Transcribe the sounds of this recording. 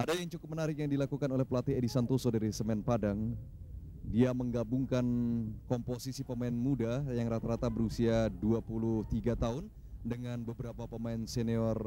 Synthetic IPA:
ʔadajaŋt͡ʃukʊp̚mənaɾɪk̬jaŋdilakukanolɛhpəlat̪ɪɦedisant̪osodaɾisəmɛnpadaŋ | diaməŋɡabuŋkankɔmposisipəmaɪnmudajaŋɾat̪aɾat̪abəɾusiaduapuluht̪iɡat̪aʊn | dəŋanbəbəɾapapəmaɪnseniɔr

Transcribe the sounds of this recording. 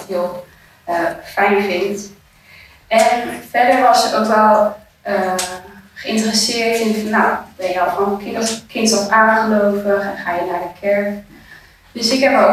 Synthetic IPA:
ɦiəlˠ | əfɛjnfɪnt | ɛnfɛɹdəɹʋɔsətowkʋɛlˠ | ə | χəɪ̃ntərəsɪːɹtɪnfnːawbɛnjəɔlˠχokʰɪnkʰɪntɔpaːnχəlowvəχɛnχaːjənaːɹdəkʰɛɹk | d̥øsɪkɦɛpo

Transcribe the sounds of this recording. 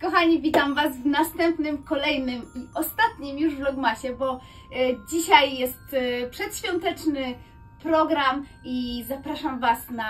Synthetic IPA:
kɔxaɲivʲit̪amvasvnast̪ɛmpnɘmkɔlɛjnɘmiɔst̪at̪ɲimjuʐvlɔɡmaɕɛbɔ | d͡ʑiɕajːɛst̪pʂɛt̪ɕfʲjɔnt̪ɛt͡ʂnɘ | pɾɔɡɾam | izapɾaʂamvasna

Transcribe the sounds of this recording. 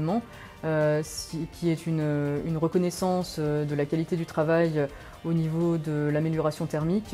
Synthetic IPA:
mɑ̃ | øskʲʰiɛt̪ʰynøynʁəkɔnɛsɑ̃sød̪əlakalit̪ed̪yt̪χavaj | onivod̪əlameljɔʁasjɔ̃t̪ɛʁmik

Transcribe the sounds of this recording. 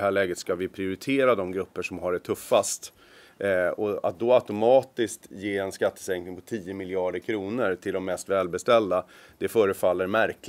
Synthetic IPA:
hæːɭɛːɡət̪skavɪpʰɾɪʊɾɪt̪ʰeːɾad̪ɔmɡɾɵpːəʂɔmɦaɖɛt̪ʰɵfːast̪ | ɔa̰t̪̚d̪ɔaʊt̪ʊmɑːt̪ɪskt̪jeːɛnskat̪ːə̥sɛŋknɪŋpʰɔt̪ʰiːəmɪlɪɑːɖəɾkʰɾuːnəɾt̪ʰɪld̪ɔmːɛst̪vɛːlbɛst̪ɛld̪a | d̪̥ɛfœːɾəfalːəɾmæɾk

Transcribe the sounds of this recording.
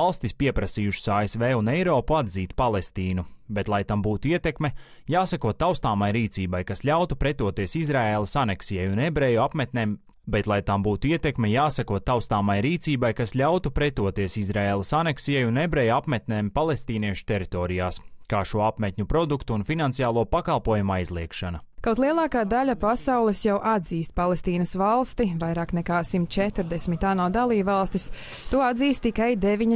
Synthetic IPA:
alˠst̪ispiɛpɾasiːjuʃi̥saːesveːunɛjɾoːpuad̪ziːt̪palˠest̪iːnubet̪lˠajt̪ambuːt̪uiɛt̪ɛkme | jaːsakuɔtt̪ːawst̪aːmajɾiːt̪siːbajkasʎʲawt̪upɾɛt̪uɔt̪iɛsizɾaeːlˠɐsanɛksijɛjunebɾɛːjuapmɛt̪neːm | bɛt̪lˠajt̪ambuːt̪uiɛt̪ekmɛjaːsakuɔt̪ːawst̪aːmajɾiːt̪siːbajkasʎʲawt̪upɾet̪uɔt̪iɛsizɾaeːlˠɐsanɛksijɛjunebɾɛːjuapmɛt̪ʲnɛːmpalˠest̪iːniɛʃu̥t̪ɛɾit̪ɔːɾijaːskaːʃuɔapmɛt̪̚ʲɲʲupɾɔd̪ukt̪uːnfinansijaːlˠuɔpakalˠpuɔjumajzlˠiɛkʃanɐkawt̪lˠiɛlˠaːkaːd̪aʎʲapasawlˠɛsjawʔad̪ziːst̪̚palˠest̪iːnɐsvalˠst̪ivajɾaːknɛkaːsimt̪̚t͡ʃɛt̪ɾd̪ɛsmit̪aːnuːd̪alˠiːbvalˠst̪is | t̪uɔad̪ziːst̪ːikajd̪eʋiɲ

